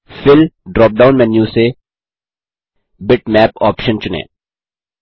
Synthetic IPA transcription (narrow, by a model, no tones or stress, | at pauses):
fɪlɖɾɔːp̚ɖaːʊnmɛ̃njuːse | bɪʈmɛːpɔːpʃənt͡ʃʊnḛ̃ː